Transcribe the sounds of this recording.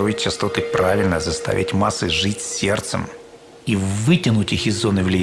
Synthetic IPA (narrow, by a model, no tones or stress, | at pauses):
ɾoɪtʲt͡ɕːɪst̪o̞t̪ɨpɾʔavʲɪlʲnəzɐst̪a̰vʲæ̰tʲmasːɨʐɨtʲsʲːert̪sə̰m | ivɨtʲɪnʊtʲixɪzːo̞nɨvlʲɪ